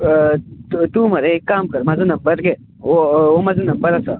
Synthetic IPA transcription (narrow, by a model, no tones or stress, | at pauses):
t̪umɐɾekaːmkɐɾmɐzɨnɐmbɐɾɡe | oomɐzɨnɐmbɐɾɐsaː